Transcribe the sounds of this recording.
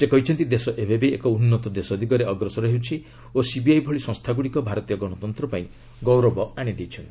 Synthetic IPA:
sekɔɦit͡ʃʰɔnt̪id̪esɔʔebebeekɔunːɔt̪ɔd̪esɔd̪ʱikɔɾeɔɡɾɔsɔɾɔɦewt͡ʃʰi | osibiajbʱɔɭisɔ̃ŋst̪ʰaɡuɽikɔbʱaɾɔt̪ijɔɡɔɽ̃ɔt̪ɔnt̪ɾɔpaĩ | ɡɔwɾɔbɔaɽ̃id̪ejt͡ʃʰɔn

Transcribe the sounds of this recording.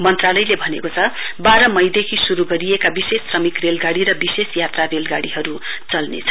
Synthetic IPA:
mʌnt̪ralʌjlebʱʌnekot͡sʰʌbaɾʌmʌjd̪ekʰisuɾuɡʌɾiekabisesːrʌmikrelɡaɽiɾʌbisesjat̪rarelɡaɽiɦʌɾut͡sʌlnḛt͡sʰʌ̥

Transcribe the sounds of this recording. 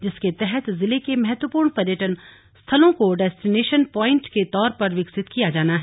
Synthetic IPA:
d͡ʒɪsket̪ɛɦɛt̪zɪlekemɛɦɛt̪wəpuːɾɳpɐɾjəʈən | st̪ʰɐlõkoɖɛːsʈɪneːʃənpɔːɪ̃ɳʈket̪ɔːɾpɐɾʋɪksɪt̪kijad͡ʒaːnaɦ

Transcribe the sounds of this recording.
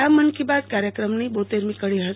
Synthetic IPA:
amːənkibad̪̚kaɾjəkɾəmnibot̪eɾmikəɽiɦə

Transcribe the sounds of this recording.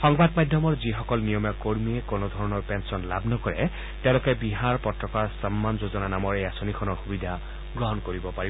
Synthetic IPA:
xɔŋbadmajdʱjɔmɔɹzixɔkɔlnijɔmjɔkoɹmiɛkonod̪ʱɔɹɔnɔɹpɛnsɔnla̰bnɔkɔɹɛ̰ | tɛʊ̃lɔkɛbiɦaɹpɔtɹɔkaɹsamːanzozɔnanamɔɹejasonikʰɔnɔɹxubidʱa | ɡɹɔɦɔnkoɹibɔpaɹib

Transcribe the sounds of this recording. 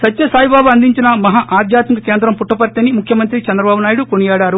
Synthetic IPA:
sɐt̪ːjɐsaːjibaːbuɐnd̪iɲt͡ʃinɐmɐɦaʔaːd̪ʱjaːt̪mikɐkeːnd̪ɾɐmpuʈːɐpɐɾt̪ɐnimukʰjɐmɐnt̪ɾit͡ʃɐnd̪ɾɐbaːbunaːjiɽukonijɛːɽaːɾu

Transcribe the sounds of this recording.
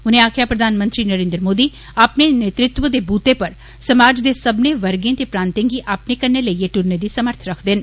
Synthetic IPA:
ʊn̤ẽaːkʰɪjapɾəd̪ʱaːnmə̃nt̪ɾinəɾẽːnd̪ɾəmoːd̪iː | apnenet̪ɾɪt̪wəd̪ebuːt̪epɐɾ | sɐmaːd͡ʒd̪esɐbneʋəɾɡẽt̪epɾãːnt̪ẽːŋɡiʔaːpnekəɾneləieʈʊɾned̪isəməɾt̪ʰɾɐkʰd̪ɪn

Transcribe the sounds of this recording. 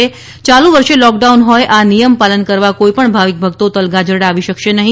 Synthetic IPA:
e | t͡ʃalũʋəɾʃelɔk̚ɖaunɦɔjʔanijəmpalənkəɾʋakoipəɳbʱaʋik̚bʱəɡ̚t̪ot̪əlɡad͡ʒəɾɽaʋiʃəkʃenəɦĩ

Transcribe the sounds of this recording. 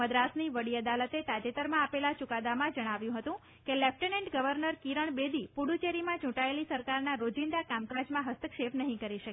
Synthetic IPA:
əd̪ɾasniʋəɽiəd̪alət̪et̪ad͡ʒet̪əɾmãapelat͡ʃukad̪amãd͡ʒəɽ̃aʋjũɦət̪ũ | kelɛfʈənẽɳʈɡəʋəɾnəɾkiɾəɳ̃bed̪ipuɽut͡ʃeɾimãt͡ʃũʈaelisəɾkaɾnaɾod͡ʒind̪akamkad͡ʒmãɦəst̪əkʃepnəɦĩkəɾiʃəke

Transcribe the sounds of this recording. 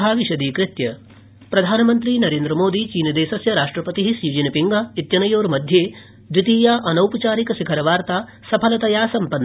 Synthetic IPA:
aːʋiʃɐd̪iːkɾɪt̪jɐ | pɾɐd̪ʱaːnɐmɐnt̪ɾiːnɐɾeːnd̪ɾɐmoːd̪iːt͡ʃiːnɐd̪eːʃɐsjɐɾaːʂʈɾɐpɐt̪iɦisiːd͡ʒinɐpiŋɡait̪jɐnɐjoːɾmɐd̪ʱjeː | d̪ɾit̪iːjaːʔɐnɐwpɐt͡ʃaːɾikɐsikʰɐɾɐʋaːɾt̪aː | sɐpʰɐlɐt̪ɐjaːsɐmpɐnː

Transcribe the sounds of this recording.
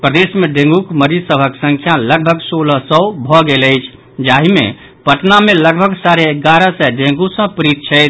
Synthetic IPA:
pɾəd̪esmeɖẽŋɡukməɾisəbʱəksə̃ŋkʰjaləɡbʱəɡsoləsəbʱɔɡeləɪt͡ʃʰ | d͡ʒaɦimḛ | pəʈnameləɡbʱəɡsaɾeːɡaɾəsɛɖẽŋɡusə̃pɾit̪̚t͡ʃʰɛɪt̪ʰ

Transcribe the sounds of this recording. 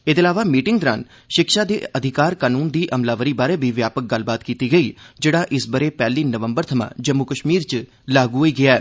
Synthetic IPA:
ɪt̪əlaːʋaːmiːʈɪŋɡt̪ɾa̰ːn | ʃɪkʃaːd̪eːəd̪ʱɪkaːɾkaːnuːnd̪iːʔəmlaːʋəɾiːbaːɾeːbiːʋjaːpək̚ɡəlbaːt̪kiːt̪iːɡəiːd͡ʒeːɽaːʔɪsbəɾeːpɛːliːnəʋəmbəɾt̪ʰəmã̰ːd͡ʒəmːukəʃmiːɾt͡ʃ | laːɡuːɦoiːɡɪaːɛː

